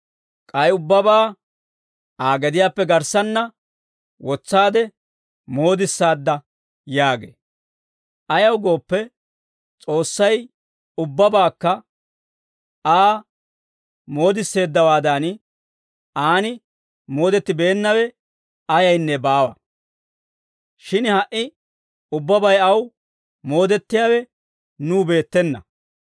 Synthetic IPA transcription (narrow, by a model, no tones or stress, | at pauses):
kʼɐjʊbːɐbaː | aːɡɛd̪ɪjaːpːɛɡɐɾsɐnːɐ | wɔt͡sːaːd̪ɛ | mo̞ːd̪ɪsːaːd̪ːɐ | jaːɡḛː | ʔɐjɐwɡo̞ːpːɛ | t͡sʼo̞ːsːɐj | ʊbːɐbaːkːɐ | aː | mo̞ːd̪ɪsːe̞ːd̪ːɐwaːd̪an | aːnɪ | mo̞ːd̪ɛt̪ːɪbe̞ːnːɐwɛ | ɐjɐjnːɛbaːwɐ | ʃɪnhɐʔːɪ | ʊbːɐbɐjɐw | mo̞ːd̪ɛt̪ːɪjaːwɛ | nuːbe̞ːt̪ːɛnːɐ̰